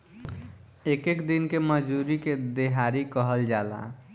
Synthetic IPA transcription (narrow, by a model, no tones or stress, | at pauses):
ekekd̪inkeməd͡ʒuɾiked̪eɦaɾikəɦəld͡ʒala̰